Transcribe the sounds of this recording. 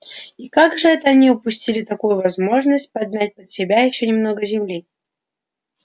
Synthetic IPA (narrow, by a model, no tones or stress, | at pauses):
ikaɡʐɨɛt̪əɐnʲiʊpʊsʲtʲilʲɪt̪ɐkujʊvɐzmo̞ʐnəsʲt̚ʲpɐd̪̚ʲnʲat̚ʲpət̪sʲɪbʲajɪɕːonʲɪmno̞ɡəzʲɪmlʲi